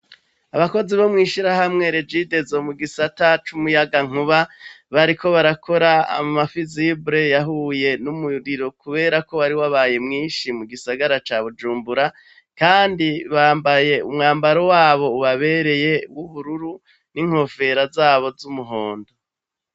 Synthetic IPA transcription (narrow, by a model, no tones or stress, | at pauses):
aβako̞ziβo̞mŋiːʃiɾaɦamŋe̞ɾed͡ʒiːde̞zo̞muɡisatat͡ʃumujaɡaŋ̥uβa | βaɾiko̞βaɾakʰo̞ɾaa̰mafizibɾe̞jaɦuje̞numujuɾiɾo̞kuβe̞ːɾako̞waɾiwaβaːje̞mŋiːnʃimuɡisaɡaɾat͡ʃaːβud͡ʒuːmbuɾa | kaːndiβaːmbaje̞umŋaːmbaɾo̞waːβo̞uβaβe̞ɾe̞je̞wuhuɾuɾu | niŋ̥ho̞fe̞ɾazaːβo̞zumuɦo̞ːndo̞